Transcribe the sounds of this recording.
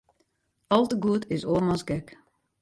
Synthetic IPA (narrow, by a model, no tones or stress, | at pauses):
ɔlˠtəɡuətʰɪsoəmɔsɡɛk